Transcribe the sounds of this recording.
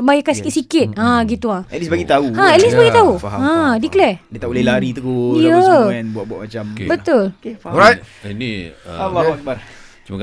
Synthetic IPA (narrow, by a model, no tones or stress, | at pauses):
bajakansikit̪sikɪt̪̚ãɡit̪uaɛ̰t̪̚lisbaɡit̪auãɛt̪̚lisbaɡit̪auaãdiklɛdit̪aʔulelaɾit̪əɡujəɛ̃nbuaʔ̚buaʔmat͡ʃambət̪ʊlɔɾajt̚inḭ | t͡ʃumak